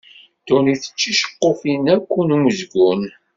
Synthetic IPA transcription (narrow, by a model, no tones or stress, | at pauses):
t̪uniθə̥t͡ʃːiʃə̥qːofinækʷːunuməzɡun